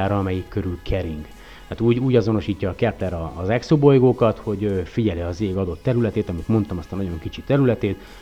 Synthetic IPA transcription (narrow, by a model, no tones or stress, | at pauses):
aːɾɒɒmɛjikːø̞ɾylkʰɛɾiŋɡ | hat̪uːɟuːɟɒzo̞no̞ʃiːcːɒːkɛplɛɾɒːzɛksobo̞jɡoːkɒt̪ho̞ɟøfiɟɛljɛɒzeːɡɒd̪o̞t̪ːɛɾylɛt̪eːt̪ɒmit̪mo̞n̪t̪ɒmɒst̪ɒnɒɟo̞ŋkit͡ʃit̪ɛɾylɛt̪eːt̪